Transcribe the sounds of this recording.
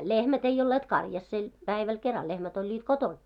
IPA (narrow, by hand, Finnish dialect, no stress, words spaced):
lehmæt ei olːet kɑrjɑsːel pæiʋæl kerɑl lehmæt olʲːiːt koton